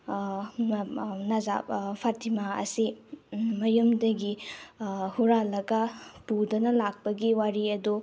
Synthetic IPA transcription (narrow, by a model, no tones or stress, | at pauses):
naza̰pʰatimaɐ̰si | mɐjɐmdɐɡi | huɾalɐɡɐpudɐnɐlak̚pɐɡiwaɾiɐdu